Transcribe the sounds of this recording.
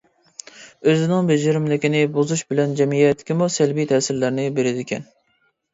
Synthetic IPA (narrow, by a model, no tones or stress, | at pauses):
øzɪnɪŋbed͡ʒɪɾɪmlɪkʲinɪbozuʃbɪlɛnd͡ʒɛmijɛt̪ʰːɪ̥kʲimusɛlbijt̪ʰɛːsɪɾlæɾnɪbeɾɪd̪ɪkʲʰɛ̰n